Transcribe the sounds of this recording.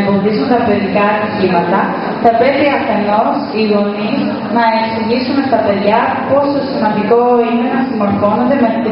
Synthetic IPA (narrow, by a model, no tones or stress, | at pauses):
bo̞nðisunt̪ɐpeðikɐːt̪icimɐt̪ɐ | θɐpɾe̞piɐθe̞no̞siɣo̞niz | nɐeksiʝisume̞st̪ɐpe̞ðʝɐ | po̞sosimɐnd̪iko̞ine̞nɐsimɐɾko̞nond̪e̞me